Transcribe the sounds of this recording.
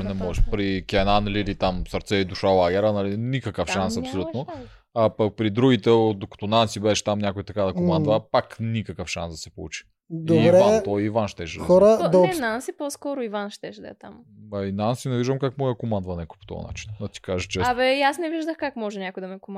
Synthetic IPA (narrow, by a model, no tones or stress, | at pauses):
nɛmɔʒɛpɾikʲɛnanɐlilit̪amsɐɾt̪sɛid̪uʃalˠaɡʲɛɾənɐlinikɐkəfʃansɐpsolʲut̪o | ɐpɐk̚pɾid̪ɾuɡʲit̪ɛod̪okɐ̥t̪ɔnansibɛʃɛ̥t̪amnʲjakʊit̪ɐkad̪ɐkomand̪vəpaknikəkəfʃa̰nsd̪ɐsɛpolˠṵt͡ʃi̥ | d̪oːɾɛvanɛt̪ɔjivanʃt̪ɛʃd̪xɔɾəɛnansiposkɔɾʊivanʃt̪ɛʃd̪ɐ̰t̪am | ɐinansinɛviʒd̪əmkakmɔjəkomand̪vɐnɛkʊjpo̥t̪ɔ̰vɐ̰na̰t͡ʃi̥nɐt̪i̥kaʒət͡ʃɛsbɛasnɛviʒd̪əxkakmɔʒɛnʲakʊjd̪ɐmɛkʊm